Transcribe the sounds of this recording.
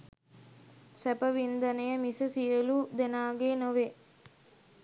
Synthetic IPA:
sɛpəʋind̪ɐnejəmisəsijəlud̪enaːɡeːnoʋe

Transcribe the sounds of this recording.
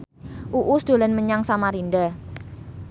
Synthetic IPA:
ʔuʔusd̪̥o̤lanməɲaŋsamaɾinda

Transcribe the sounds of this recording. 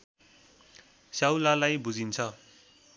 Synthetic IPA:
sjawlalajbud͡zint͡sʰʌ

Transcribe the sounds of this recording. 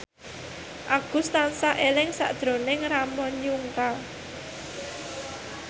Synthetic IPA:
ʔaɡ̥ust̪ansaʔelɪŋsa̰ʔd̪̥ɾo̤nɪŋramɔɲuŋka

